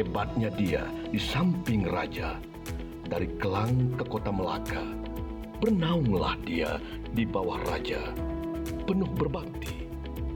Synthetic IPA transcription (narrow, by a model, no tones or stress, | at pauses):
hebat̪̚ɲadia̰disampɪŋra̰d͡ʒa | daɾikəlaŋkəkot̪aməla̰ka | bərnauŋla̰hdia̰ | dibawahra̰d͡ʒa | pənʊhbərbap̚t̪i